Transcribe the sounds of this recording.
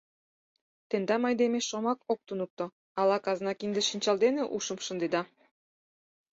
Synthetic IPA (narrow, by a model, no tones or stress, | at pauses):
t̪end̪ɑmɑjd̪emeʃʃomɑkok̚t̪unuk̚t̪o | ɑlɑkɑznɑkind̪eʃinʲt͡ɕɑlˠd̪eneʔuʃəmʃə̆nd̪ed̪ɑ